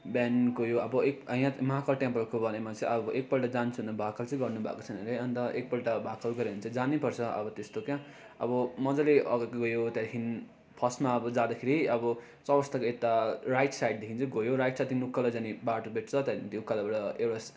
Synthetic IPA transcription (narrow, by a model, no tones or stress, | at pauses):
bɛnkojoʌbʌekʌj̃ãmʌɦakʌlʈjãmpʌrkobʌnemat͡sʌ̃ĩʌbʌʔek̚pʌlʈad͡zant͡sʰuɦnʌbʱakalt͡sʌ̃ĩɡʌrnubʱa̰ko̥t͡sʰʌnʌleʌnt̪ʌʔek̚pʌlʈabʱakʌlɡʌɾeɦunt͡sʰʌ̃d͡zanipʌrt͡sʰʌʔʌ̰bʌt̪est̪okjã | ʌ̰bʌmʌd͡zʌleʔʌɡɡojot̪jaɾkʰin | pʰʌsmaʌbʌd͡zad̪akʰeɾiʌbʌ | t͡sʌbʌst̪akoet̪arajʈsajɖ̚d̪ekʰint͡sʰʌɡojoɾajʈsat̪ʰĩnukːʌlad͡zanibaʈubʱeʈ̚t͡sʰʌt̪aint̪iukːalʌbʌɽʌewɽas